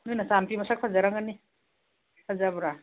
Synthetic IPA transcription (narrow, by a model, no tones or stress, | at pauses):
nujnasampimasak̚pʰazaɾaŋani | pʰazabuɾa